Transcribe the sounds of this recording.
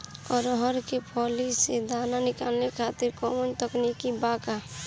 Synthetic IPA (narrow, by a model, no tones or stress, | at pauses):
ɔːɾɔɦɔɾkepʰɔːlised̪aːnanɪkaːlnekʰaːt̪ɪɾkɔːmənt̪əknikibaːka